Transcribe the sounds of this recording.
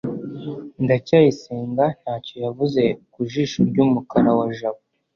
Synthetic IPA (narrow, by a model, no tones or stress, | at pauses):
ndacaːjiseːŋɡan̥haːco̞javuze̞kuʒiːʃoɾɟuːmukaɾawaʒaβo